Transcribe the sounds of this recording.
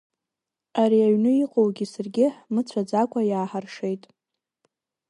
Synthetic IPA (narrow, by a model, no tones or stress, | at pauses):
aɾiaɥnɨiqʼowɡʲisɨrɡʲɪmɨt͡sʷʰad͡zakʷʼajaːħarʂejtʼ